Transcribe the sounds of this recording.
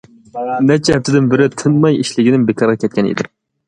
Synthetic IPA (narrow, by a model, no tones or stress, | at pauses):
nɛt͡ʃʰɛɦɛp̚t̪ʰɪd̪ɪnbɪɾɪt̪ʰɨnmɑjiʃlɪɡʲɪnɪmbekʰɑɾʁɑkʲʰɛt̪̚kʲɛnḭd̪ɪm